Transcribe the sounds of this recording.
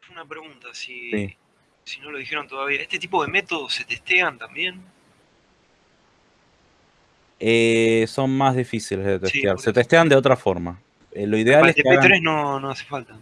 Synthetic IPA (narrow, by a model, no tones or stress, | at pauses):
feunapɾeɣunt̪asisi | sino̞loð̞ixe̞ɾo̞nt̪oðaβiaest̪e̞t̪ip̬o̞ðeme̞t̪o̞ðoset̪est̪eant̪ambje̞n | eso̞nmazðifisileðet̪est̪jaɾset̪est̪eand̪eo̞t̪ɾafo̞ɾma | elo̞iðealeseaet̪ɾesnonoasefalt̪a